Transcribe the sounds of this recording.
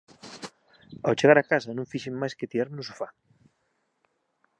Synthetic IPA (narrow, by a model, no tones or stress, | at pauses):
awt͡ʃeɣaɾakasɐnõŋfiʃemmajsket̪iɾaɾnʊsufa